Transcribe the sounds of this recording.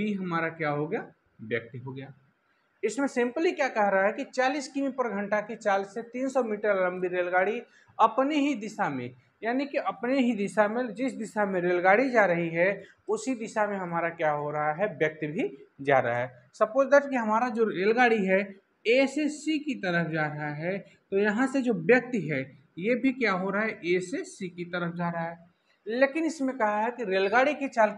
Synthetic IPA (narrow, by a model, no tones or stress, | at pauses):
biɦɐmaːɾakjaɦoɡɐjaː | bjək̚t̪ɦoɡɐjaː | ɪsmẽsɪ̃mplikjaːkɛɦɾɐɦaɦɛkit͡ʃaːliːskimipɐɾɡʱə̃ɳʈakit͡ʃaːlset̪iːnsɔmiːʈəɾlə̃mbiɾeːlɡaːɽi | ɐpneɦid̪ɪʃamḛ̃ | jaːnikiʔɐpneɦid̪ɪʃamẽd͡ʒɪsd̪ɪʃamẽɾeːlɡaːɽid͡ʒaːɾɐɦiɦɛ | ʊsɦid̪ɪʃamẽɦɐmaːɾakjaɦoɾɐɦaɦɛbjɐk̚t̪bʱid͡ʒa̰ːɾa̰ɦɛ | sɐpoːt͡ʃd̪əɾt͡ʃkiɦɐmaːɾad͡ʒoɾeːlɡaːɽiɦɛ | esesikit̪ɐɾəfʰd͡ʒaːɾɐɦaɦɛ | t̪ojɐɦãsed͡ʒoːbjɐk̚t̪ɦɛ | jebʱikjaɦoɾaaɦɛʔesesikit̪əɾəfʰd͡ʒaːɾɦaɦɛ | leːkɪnɪsmẽkɐɦaɦɛkiɾeːlɡaːɽiket͡ʃaːl